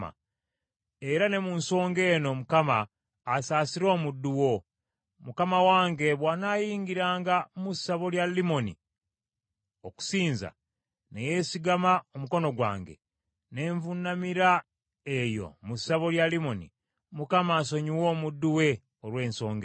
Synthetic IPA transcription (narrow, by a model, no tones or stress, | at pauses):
a̰ | e̞ɾane̞munso̞ːŋɡe̞ːno̞mukamaː | saːsiɾo̞ːmudːuwo̞ | mukamawaːŋɡe̞βwanaːjiːŋɡiɾaːŋɡamusːaβo̞ljalːimo̞nḭ | o̞ku̥siːnza̰ | neje̞siɡamaomuko̞no̞ɡwa̰ːŋɡḛ | ne̞ːɱvunːamiɾa | e̞jo̞̰musːaβo̞ljalimo̞nḭ | mukamaːso̞ɲiwo̞ːmudːuwe̞ | olwe̞ːnso̞ːŋɡe